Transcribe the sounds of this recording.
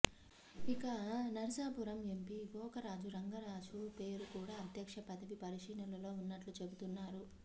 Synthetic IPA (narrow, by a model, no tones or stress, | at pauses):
ikɐnɐɾisaːpuɾɐme̞mpiɡɔːkɐɾaːd͡ʒuɾɐŋɡɐɾaːd͡ʒupe̞ːɾukuːɽaːɐd̪ʱjɐkʂɐpɐd̪ɐʋipɐɾiʂiːnɐlɐlo̞ːunːɐʈlut͡ʃe̞but̪unːaːɾu